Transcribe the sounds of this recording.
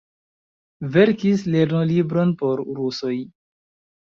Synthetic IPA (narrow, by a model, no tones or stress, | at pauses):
ve̞ɾkisle̞ɾnolibɾo̞npo̞ɾɾuso̞j